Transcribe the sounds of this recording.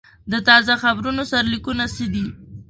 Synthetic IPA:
d̪ət̪ɑzaxabɾunosaɾalikunasəd̪i

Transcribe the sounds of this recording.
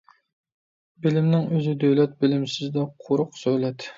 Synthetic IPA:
bɪlɪmnɪŋøzɪd̪øwlɛt̪̚bɪlɪmsɪzd̪ɛqʰoɾʊqsølɛt̪

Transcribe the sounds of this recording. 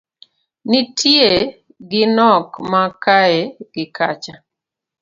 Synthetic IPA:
nitʰje | ɡɪnɔkmakaeɡ̥ɪkat͡ʃa

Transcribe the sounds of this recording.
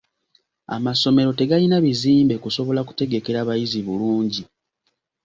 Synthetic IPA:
a̰maso̞me̞ɾo̞te̞ɡalinaβiziːmbe̞kuso̞βo̞laku̥te̞ɡe̞ke̞ɾaːβajiziβuluːɲɟi

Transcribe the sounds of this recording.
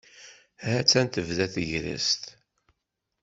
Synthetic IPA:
ɦæt͡sːænt̪əvðæθəʝɾə̰st̪

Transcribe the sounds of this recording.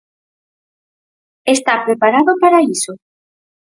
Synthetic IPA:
est̪apɾepaɾaðopaɾaiso

